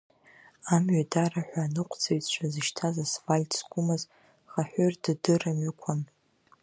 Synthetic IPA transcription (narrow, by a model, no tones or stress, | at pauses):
amɥadaraħʷᶣaːnɨqʷʰʼt͡sʰejtʼt͡ʃʷʰazɨʃtʰazasfalʲtʰsɡʷʊmaz | χaħʷᶣʏrd̥dɨramɥakʷʰan